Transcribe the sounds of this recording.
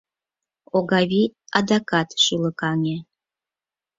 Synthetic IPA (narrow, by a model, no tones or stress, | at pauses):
oɣɑβiɑd̪ɑkɑt̪ʃyləkɑŋe